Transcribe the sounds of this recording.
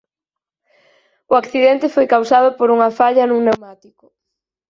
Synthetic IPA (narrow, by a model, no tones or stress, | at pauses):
ʊakθiðent̪ɪfojkawsað̞ʊpoɾuŋɐfaʎɐnũŋnewmat̪ikʊ̥